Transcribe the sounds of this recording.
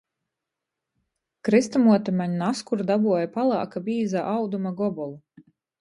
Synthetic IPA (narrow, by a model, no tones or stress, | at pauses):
kɾist̪amuɔt̪amaɲunaskuɾd̪abuɔjapalˠɑ̰ːkabiːzaʔawd̪umaɡɔbɔlˠu